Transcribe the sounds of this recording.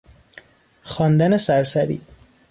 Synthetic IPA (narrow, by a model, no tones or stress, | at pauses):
xɒːnd̪ænesæɾsæɾḭː